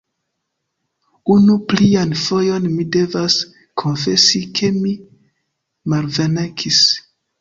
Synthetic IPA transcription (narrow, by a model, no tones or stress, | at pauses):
unuplianfo̞jo̞nmide̞vas | kʰo̞nfe̞sikʰe̞mi | malvenakʰis